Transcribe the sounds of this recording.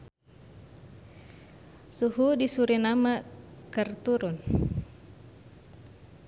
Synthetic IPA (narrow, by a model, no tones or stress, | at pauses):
suɦudisuɾinamakərt̪uɾun